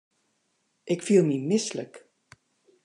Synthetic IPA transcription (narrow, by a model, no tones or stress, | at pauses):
ʔɪkfilˠmimɪslək